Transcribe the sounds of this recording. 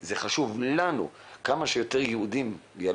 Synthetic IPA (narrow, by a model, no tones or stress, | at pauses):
zeχaʃuvlanṵkamaʃejo̞t̪eʁjehud̪imja